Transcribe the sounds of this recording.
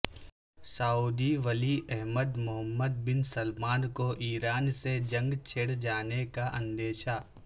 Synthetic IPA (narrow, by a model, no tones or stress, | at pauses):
saːuːd̪iʋəliʔɛɦməd̪mʊɦəmːəd̪̚bɪnsəlmaːnkoʔiːɾaːnsed͡ʒɐ̃ŋɡt͡ʃʰeɽd͡ʒaːnekaʔɐ̃nd̪eːʃaː